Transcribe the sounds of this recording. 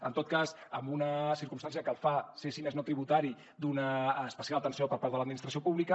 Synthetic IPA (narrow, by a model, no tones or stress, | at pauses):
ənt̪ot̪̚kazəmbunəsiɾkumst̪ansiəkəlˠfasesineznot̪ɾiβut̪aɾi | d̪unəːspəsjalət̪ənsiopəɾpaɾðələd̪minist̪ɾəsiopuβlikə